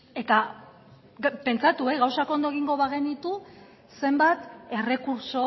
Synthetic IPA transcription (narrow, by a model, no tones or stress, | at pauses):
e̞t̪a | pe̞nt͡sat̪ueɣawsako̞nd̪oɣ̞iŋɡo̞βaɣe̞nit̪u | se̞mbat̪e̞re̞kuɾso̞